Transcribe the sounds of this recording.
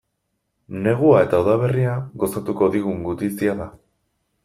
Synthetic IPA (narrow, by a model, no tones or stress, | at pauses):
ne̞ɣ̞uae̞t̪aoðaβ̞e̞riaɣo̞sat̪uko̞ðiɣ̞uŋɡut̪isiaða